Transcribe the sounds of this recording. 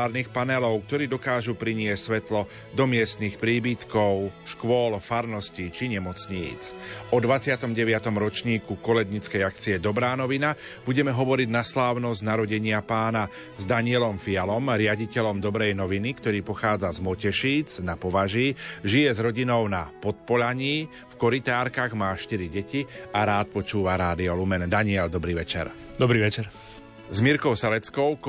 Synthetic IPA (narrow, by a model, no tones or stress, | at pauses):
aːɾniːxpanɛlɔʊk̚t̪ɔɾiːd̪ɔkaːʒupɾiɲɪɛsʲsʋɛt̪lɔ | d̪ɔmɪɛst̪nixpɾiːbit̪kɔʊʃkʊɔlfaɾnɔscit͡ʃiɲɛmɔt͡sɲḭːt͡sʔɔd̪ʋat͡sɪat̪ɔmɟɛʋɪat̪ɔmɾɔt͡ʃɲiːkukɔlɛɡɲit͡skɛjakt͡siɛd̪ɔbɾaːnɔʋina | b̥uɟɛmɛɦɔʋɔɾiɟnaslaːʊnɔzɟnaɾɔɟɛɲɪapaːna | zd̪aɲɪɛlɔmfialɔmɾɪaɟicɛʎɔmd̪ɔbɾɛjnɔʋinikt̪ɔɾiːpɔxaːd͡zazmɔcɛʃiːd͡znapɔʋaʒiːʒijɛzɾɔɟinɔʊnapɔt̪̚pɔʎaɲiː | fkɔɾit̪aːɾkaɣmaːʃt̪iɾiɟɛciaɾaːt̪̚pɔt͡ʃuːʋaɾaːd̪iɔlumɛnd̪aɲɪɛld̪ɔbɾiːʋɛt͡ʃɛ̰ɾ | d̪ɔbɾiːʋɛt͡ʃɛɾ | zmiɾkɔʊsalɛt͡skɔʊk